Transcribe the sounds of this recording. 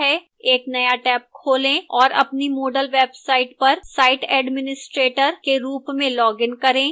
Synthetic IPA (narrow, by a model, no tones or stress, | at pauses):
ɦɛ | eːknɐjaʈɛːp̚kʰoːlẽɔːɾɐ̰pnimoːɖəlʋeːbsaːɪʈpɐɾsaːɪʈɛːɖmɪnɪsʈɾeːʈəɾkeɾuːpmẽlɔːɡɪnkɐɾẽː